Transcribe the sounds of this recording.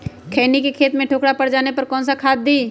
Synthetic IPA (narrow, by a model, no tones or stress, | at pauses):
kʰɛːnikekʰeːt̪mẽʈʰoːkɽapɐɽd͡ʒaːnepɐɾkɔ̃ːnsakʰaːd̪̚d̪iː